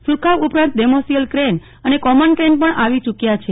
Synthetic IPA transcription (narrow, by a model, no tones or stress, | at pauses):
suɾkʰaʋupɾãnt̪̚demosijəlkɾen | ənekɔmənkɾenpəɳʔaʋit͡ʃukjat͡ʃʰe